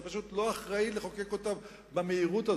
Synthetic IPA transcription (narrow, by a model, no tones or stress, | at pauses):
paʃut̪lo̞aχʁaileχo̞ke̞ko̞ta | bameiʁuta